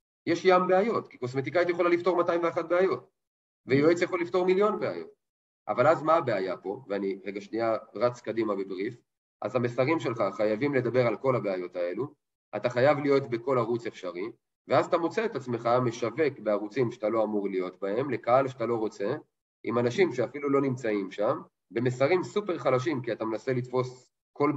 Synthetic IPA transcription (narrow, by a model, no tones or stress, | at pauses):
jeʃjambeajo̞tki̥ko̞sme̞t̪̬ikaitjeχo̞lalifto̞ʁmataimveaχat̚beajo̞t̚ | vejoet͡sjaχolːifto̞ʁmiljo̞nbea̰jo̞̰t̚ | ʔa̰valazmaːbeajapo̞veaniʁeɡaʃniaʁat͡skadimabebʁif | ʔa̰zamesaʁimʃe̞lχaχajavimle̞d̪abe̞ʁalko̞labeajo̞tae̞lu | a̰taχajavlijo̞tbe̞ko̞laʁut͡se̞fʃaʁi | veazat̪amo̞t͡se̞ːtat͡sme̞χame̞ʃave̞kbe̞aʁut͡simʃatalo̞amuʁlijo̞tbae̞mle̞kaalʃeat̪alo̞ʁo̞t͡se̞ | ʔimanaʃimʃeafilulo̞nimt͡saimʃam | be̞mesaʁimsupe̞ʁχalaʃ̬imkiatamenase̞litfo̞s | ko̞l